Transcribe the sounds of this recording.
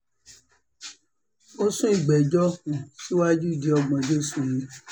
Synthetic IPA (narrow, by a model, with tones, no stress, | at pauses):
o˦sũ˦i˦˨ɡ͡bɛ˨d͡ʒɔ˦kũ˨ti˦wa˦d͡ʒu˦˨d͡ʒe˨˧ɔ˧ɡ͡bɔ̃˧d͡ʒe˦su˨ji˨˦